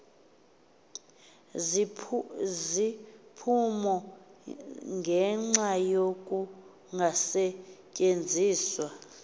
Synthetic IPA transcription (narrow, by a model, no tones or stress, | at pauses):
zipʰumɔ | ŋɡʱɛŋ͡ǁajokʼu | ŋɡʱasɛcʼend͡zʱiːswa